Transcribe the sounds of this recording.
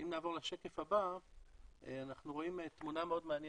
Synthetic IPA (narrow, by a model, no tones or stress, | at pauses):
imnaːvo̞ʁleʃeke̞faba | eanaχnuʁo̞imet̪munameo̞d̪meanje